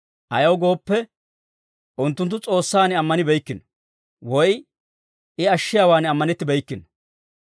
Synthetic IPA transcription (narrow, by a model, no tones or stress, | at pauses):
ʔɐjɐwɡo̞ːpːɛ | ʔʊnt̪ːʊnt̪̬ːʊt͡sʼo̞ːsːaːnɪɐmːɐnɪbɛjkːɪnɔ | wɔj | ɪɐʃːɪjaːwaːnɪɐmːɐnɛt̪ːɪbɛjkːɪnɔ̥